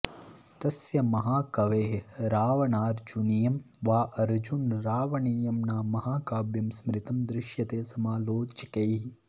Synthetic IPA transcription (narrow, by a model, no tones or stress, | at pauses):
t̪ɐsjɐmɐɦaːkɐʋeːɦɾaːʋɐnaːɾd͡ʒunijɐmʋaːʔɐɾd͡ʒunɾaːʋɐɳiːjɐmnaːmɐɦaːkaːbjɐmsmɾɪt̪ɐmd̪ɾɪʃjɐt̪eːsɐmaːloːt͡ʃɐkɐj